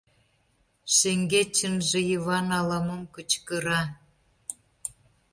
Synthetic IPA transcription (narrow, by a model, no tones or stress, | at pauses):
ʃeŋɡet͡ɕːənʒĕjiβɑnɑlɑməmkət͡ɕkəɾɑ